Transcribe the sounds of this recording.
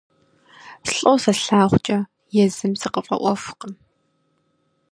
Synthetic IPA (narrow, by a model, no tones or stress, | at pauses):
ɬʼowsɐɬaːχʷt͡ʃʼɐ | jɛzɨmzɨqəfʼɐ̰ʔʷɔfqəm